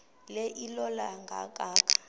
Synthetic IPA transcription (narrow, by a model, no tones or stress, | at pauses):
lɛʔilɔlaŋɡʱa̰k̬ʼaːk̬ʰʼḁ